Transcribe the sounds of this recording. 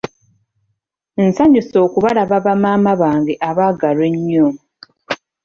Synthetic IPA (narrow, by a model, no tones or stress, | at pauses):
nsaɲuso̞ːkuβalaβaβamaːmaβaːŋɡe̞ʔaβaːɡalwe̞ɲːo